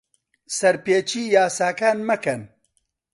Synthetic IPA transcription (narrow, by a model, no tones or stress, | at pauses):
sɐɾpeːt͡ʃiːjaːsaːkaːnmɐkɐn